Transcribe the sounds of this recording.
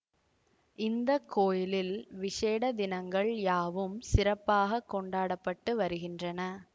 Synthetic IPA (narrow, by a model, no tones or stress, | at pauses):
ʔɪnd̪ɐkːoːjɪlɪlʋɪʂeːɽɐd̪ɪnɐŋɡɐɭjaːʋɯmsɪɾɐpːaːɣɐkːɔɳɖaːɽɐpːɐʈːɯʋɐɾɯɣɪndrɐnɐ